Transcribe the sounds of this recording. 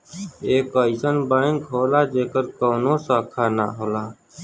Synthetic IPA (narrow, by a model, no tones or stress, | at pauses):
eːkəisənbaːŋkɦoːlaːd͡ʒeːkəɾkoːnoːsaːkʰaːna̰ːɦoːlaː